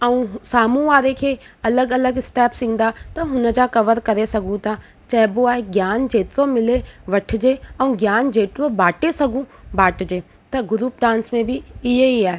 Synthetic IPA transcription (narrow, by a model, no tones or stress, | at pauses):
ɐũsaːmũʋaːɾekʰeː | ɐləɡɐləɡɪsʈɛːpsĩːn̆d̪at̪ɐɦʊnə̆d͡ʑakɐʋəɾkɐɾesɐɡʱũt̪ʰa | t͡ɕɐɦboaːɦeɡjaːnd͡ʑeːt̪ɪɾomɪleʋɐʈʰɪd͡ʑeɐ̃ũɡjaːnd͡ʑeːt̪ɪɾobaːʈesɐɡʱũbaːʈɪd͡ʑeː | t̪ɐɡʊɾuːp̚ɖãːnsmẽbʱɪɪɦeiaːɦe